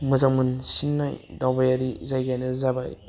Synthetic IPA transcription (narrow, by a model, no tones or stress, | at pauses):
mɯzamɯnsinːa̰jdawbajaɾizajɡajnɯzaba̰j